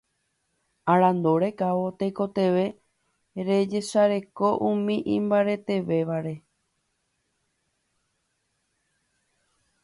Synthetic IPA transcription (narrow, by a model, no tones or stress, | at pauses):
aɾãnd̪oɾe̞kaʋo̞t̪ejko̞t̪e̞ʋe̞ | ɾe̞d͡ʒe̞ʃaɾe̞ko̞ʔumĩʔĩmbaɾe̞t̪e̞ʋe̞ʋaɾe̞